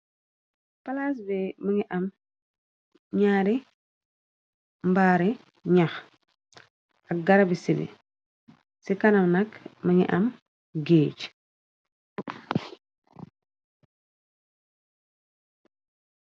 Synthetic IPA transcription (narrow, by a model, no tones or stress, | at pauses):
palas̬bɛmɐŋiʔɐm | ɲaːɾi | mbaːɾi | ɲax | ɐk̚ɡɐɾabisinḭ | sikanɐmnɐkmɐŋḭʔɐm | ɡeːt͡ʃ